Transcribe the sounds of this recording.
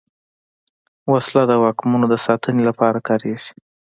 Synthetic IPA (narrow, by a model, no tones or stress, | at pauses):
waslad̪əwɑkmunod̪əsɑt̪ʰənelapɑɾakɑɾeʒi̥